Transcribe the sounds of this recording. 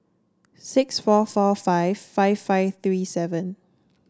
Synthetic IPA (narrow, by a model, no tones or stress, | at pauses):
sɪksfɔfɔfaɪv̥faɪvfaɪvθɹiːsɛvə̃n